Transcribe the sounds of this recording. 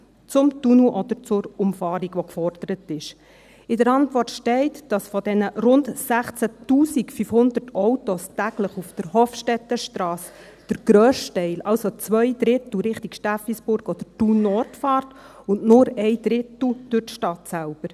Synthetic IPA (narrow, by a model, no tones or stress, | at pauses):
t͡sʊmt̪unuʔɔd̥̪əɾt͡sʊɾʊmfɑːɾiɡʋɔkfɔrd̥̪əɾətɪʃ | ɪdəɾɑntʋɔrtʃtɛɪtd̥ɑsfɔdɛnəɾʊndsæχt͡sætuːsikfyfhʊnd̪ərtɔwtostæɡləχufd̥əɾhɔfʃtɛt̪ːəʃtɾɑːs | d̪̥əɾɡ̥ɾœːʃtɛɪlʔɑlsot͡sʋœɪd̪ɾɪt̪l̩ɾɪχtikʃtæfisbʊɾɡɔd̥̪ətunːɔrtfɑːrtʊnnʊɾɛɪd̪ɾɪtl̩d̥ʏtʃtɑtsælb̥əɾ